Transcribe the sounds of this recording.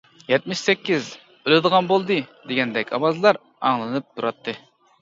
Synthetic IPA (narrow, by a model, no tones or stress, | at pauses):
jɛt̪̚mɪʃsɛkʲːiz | ølɪd̪əʁɑnbolˠd̪ɨd̪eɡʲɛnd̪ɛkʲʰɑ̰bɑzɨlˠɑɾ | ɑ̰ŋlˠɨnɨp̚t̪ʰuɾɑt̪ʰːɨ